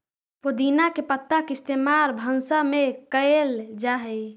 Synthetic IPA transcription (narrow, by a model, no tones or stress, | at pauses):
pod̪inakepət̪ːakeɪst̪emaɾbʱənsamekəeld͡ʒaɦɛ